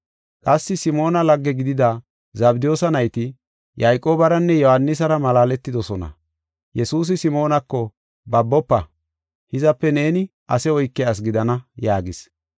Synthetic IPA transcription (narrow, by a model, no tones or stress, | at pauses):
kʼɐsːɪsɪmo̞ːnɐlɐɡːɛɡɪd̪ɪd̪a | zɐbd̪ɪjo̞ːsɐnɐjt̪ɪ | jɐjkʼo̞ːbɐɾɐnːɛjɔhɐnːɪs̬ɐɾɐmɐlaːlɛt̪ːɪd̪ɔsɔnɐ̰ | jɛsuːs̬ɪsɪmo̞ːnɐkːɔ | bɐbːɔpːɐ | hɪzɐpːɛne̞ːnɪ | ʔɐsɛɔjkːɛas̬ɡɪd̪ɐnɐjaːɡɪs